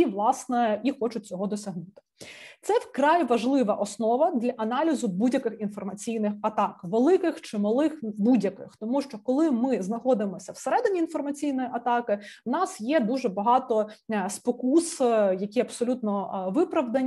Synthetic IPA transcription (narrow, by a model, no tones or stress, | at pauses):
iʋlˠɑsnɛixɔt͡ʃʊt̚ʲt͡sʲɔɦɔd̪ɔsʲɐɦnut̪ɪ̥t̪sɛwkɾɑjʋɐʒlˠɪʋɐʔɔsnɔʋɐd̪lʲɐʔɐnɑlʲizʊbudʲjɐkɪxinfɔrmɐt͡sʲijnɪxɐt̪ɑkʋelˠɪkɪxt͡ʃɪmɐlˠɪxbudʲjɐkɪ̰xt̪ɔmuʃt͡ʃɔkɔlˠɪmɪznɐxɔd̪ɪmɔsʲɐwseɾɛd̪ɪnʲiːnfɔrmɐt͡sʲijnɔjiʔɐt̪ɑkɪwnɑsjɛd̪uʒɛbɐɦɑt̪ɔspɔkusjɐkʲiɐbsɔlʲut̪nɔʋɪpɾɐʋd̪ɐnʲ